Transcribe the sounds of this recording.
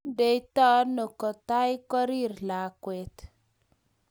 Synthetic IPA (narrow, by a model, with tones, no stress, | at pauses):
de˦i˦t̪ɔ˦no˨kɔ˨t̪a˦jkɔ˦ɾi˦˨ɾla˨kwe˨t̪